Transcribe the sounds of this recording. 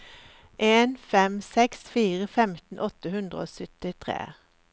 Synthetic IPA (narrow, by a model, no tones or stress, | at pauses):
ʔeːnfɛmsɛksfiːʁəfɛmt̪n̩ʔɔt̪əhʉnd̪ʁəo̰ːsœt̪ɪt̪ʰʁḛː